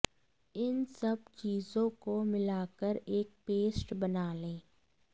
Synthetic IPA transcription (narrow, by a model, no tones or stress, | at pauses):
ɪnsɐb̚t͡ʃiːzõkomɪlaːkəɾeːk̚peːsʈbɐnaːlẽː